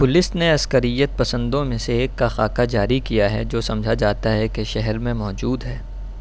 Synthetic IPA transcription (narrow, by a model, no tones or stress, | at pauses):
pʊlɪsneɐskəɾɪjːət̪̚pɐsə̃nd̪õmẽseeːkːaxaːkad͡ʒaːɾikijaɦɛ̰d͡ʒoːsɐ̃md͡ʒʱad͡ʒaːt̪aɦɛkeʃɛɦɛɾmẽmɔːd͡ʒuːd̪ɦɛː